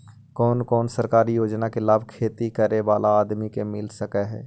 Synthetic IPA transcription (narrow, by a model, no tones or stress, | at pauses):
kɔːnkɔːnsəɾkaːɾijoːd͡ʒnakelaːbʱkʰeːt̪ikəɾeʋaːlʔaaːd̪mikemɪlsəkɛɦɛ̰ː